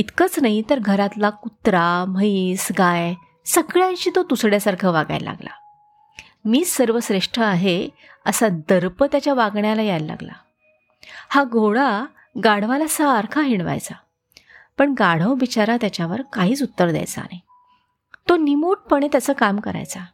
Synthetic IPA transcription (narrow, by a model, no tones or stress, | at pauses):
it̪kət͡snaɦit̪əɾɡʱəɾat̪lakut̪ɾaməisɡaj | səɡɭjãɕiːt̪ot̪usɽjasaɾkʰəːʋaɡa̰jla̰ɡla̰ | miːsəɾʋəsɾeʂʈɾəaɦe | əsad̪əɾpət̪jat͡ɕjaʋaɡɳjalajalːa̰ɡla̰ | haɡʱoɭa | ɡaɽ̤ʋalasəːɾkʰaɦiɳ̃ʋa̰jt͡sa | pəɳɡaɽ̤əʋbit͡ɕaɾat̪jat͡ɕjaʋəɾkaɦiːt͡sut̪ːəɾd̪ja̰jt͡sa̰ne | t̪onimuʈ̚pəɳ̃et̪jat͡səːkamkəɾa̰jt͡sa